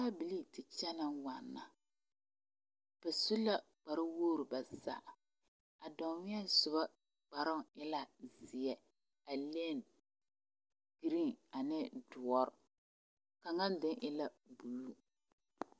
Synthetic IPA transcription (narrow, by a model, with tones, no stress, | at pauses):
a˦bi˨li˦tɪ˨t͡ʃɛ˦na˦ŋwa˨nːa˨ | b̥ɛ˨su˦la˦ | k͡pa˨ɾɪ˦woː˦ɾu˨ba˨sa̰˦˨ʔ | a˨dɔ˨ŋ˦wɛ˦sʊ˨ba˦ | k͡pa˨ɾɪ˦ŋɪ˦la˦zɪ˨jɛ˦ | a˨le˦˨n | ɡ̥i˨ɾi˦ŋa˨nɪ˦dʊ˨ɔ˦ɾʊ˨ | ka˨ŋa˦ndɪ˦ŋʔɪ˦la˦ | bu˨lːu˦